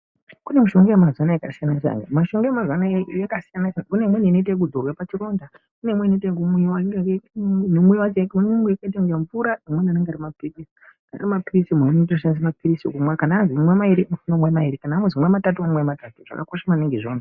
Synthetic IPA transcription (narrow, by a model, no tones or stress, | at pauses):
kune̞muʃo̞ŋɡejemazanaekasijanat͡ʃa̰ŋɡamaʃo̞ŋɡeamazanajakasijanakunemweniinoit̬aik̬udʱorwapat͡ʃiro̞nda | kunemweinotakumewaneɡeenemwewaumɡeakait̬aɡaɱvuɾaimwenianeŋɡaɾimapiirisi̥ | kana̰rimapirisimononitroʃanis̬mapirisiṵkumwakanaːnziumwemaiɾimufunomwemaiɾikanaːmuzimwematatumamwematatuʐ̥a̰ka̰koʃamaneŋɡeʐoːna